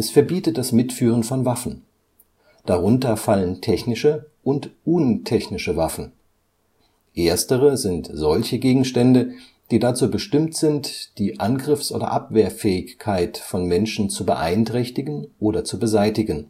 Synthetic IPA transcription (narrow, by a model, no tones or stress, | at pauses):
ʔɛsfɛɐbiːtət̚d̥asmɪtfyːʁ̞ənfɔnvafn̩ | d̥aʁʊntɐfaləntʰɛçnɪʃəʔʊntʔʊntʰɛçnɪʃəvafn̩ | ʔeːɐstəʁ̞əzɪntz̥ɔlçəɡeːɡŋ̩ʃtɛndə | d̥iːdat͡suːbəʃtɪmtz̥ɪntd̥iːʔanɡʁɪfsʔo̰ːdɐ̰ʔapv̥eːɐfɛːɪçkʰaɪtfɔnmɛnʃn̩t͡subəʔa̰ɪntʁ̥ɛçtɪɡn̩ʔoːdɐt͡subəzaɪtɪɡən̩